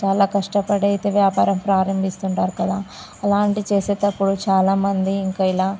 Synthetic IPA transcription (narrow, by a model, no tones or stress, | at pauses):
t͡ʃaːlaːkɐʂʈɐpɐɽɐjit̪eːʋjaːpaːɾɐmpɾaːɾɐmbʱist̪uɳʈaːɾukɐd̪aː | ɐlaːɳʈit͡ʃeːseːt̪ɐpːuɽut͡ʃaːlaːmɐnd̪iːŋkɐilaː